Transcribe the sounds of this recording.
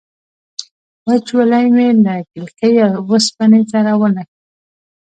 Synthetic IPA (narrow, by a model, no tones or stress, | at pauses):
wat͡ʃwəlajmelakɪlkejawəspanet͡saɾawənak